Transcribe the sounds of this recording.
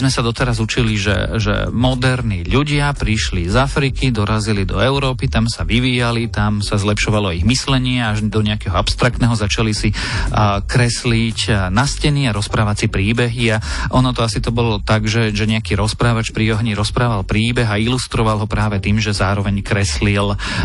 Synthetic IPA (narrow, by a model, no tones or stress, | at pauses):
zmɛsad̪ɔt̪ɛɾazut͡ʃiliʒɛ̰ʒɛ̰mɔd̪ɛɾniʎuɟɪapɾiʃlizafɾikid̪ɔɾazilid̪ɔɛʊɾɔːpit̪amsaʋiʋiːjalit̪amsazlɛpʃɔʋalɔiɣmislɛɲɪɛaʒd̪ɔɲɛakɛɦɔapst̪ɾakt̪nɛɦɔzat͡ʃalisi | kɾɛslicnascɛniːaɾɔspɾaːʋat͡sipɾiːbɛɦiaʔɔnɔt̪ɔasit̪ɔbɔlɔt̪aɡʒɛʒɛɲɛakiːɾɔspɾaːʋat͡ʃpɾiɔɦɲiɾɔspɾaːʋalpɾiːbɛɣailust̪ɾɔʋalˠɦɔpɾaːʋɛt̪iːmʒɛzaːɾɔʋɛɲkɾɛslil